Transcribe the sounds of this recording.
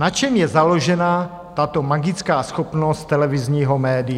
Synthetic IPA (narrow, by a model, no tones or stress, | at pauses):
nat͡ʃɛmjɛzalo̞ʒɛna | t̪at̪o̞maɡɪt͡skaːsxopnost̪ːɛlɛvizɲiːɦomɛːdɪ